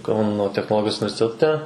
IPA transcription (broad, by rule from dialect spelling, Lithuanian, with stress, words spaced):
ˈkɐʊnoː tʲɛxnoːˈlˠoːɡʲɪjoːs ʊnʲɪʋʲɛrʲsʲɪtʲɛˈtʲɛ